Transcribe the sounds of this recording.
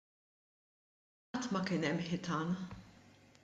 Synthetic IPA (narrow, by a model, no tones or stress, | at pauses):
ɐt̪ːmɐkɪnɛmːħɪt̪ɐːn